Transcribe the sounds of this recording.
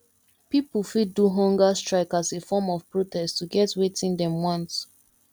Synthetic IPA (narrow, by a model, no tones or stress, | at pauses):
pipufidduɦɔ̃ŋɡastɹaɪkasefɔmɔv̥pɹotʰɛsttuɡɛtwetĩndɛ̃mwɔ̃ns